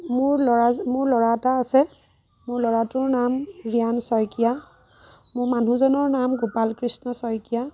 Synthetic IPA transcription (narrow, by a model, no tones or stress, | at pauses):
mʊɹlɔɹamʊɹlɔɹataːsɛ | mʊɹlɔɹatʊɹnamɹijansɔjkija | mʊɹman̤ʱuzɔnɔɹnamɡupalkɹisnɔsɔjkija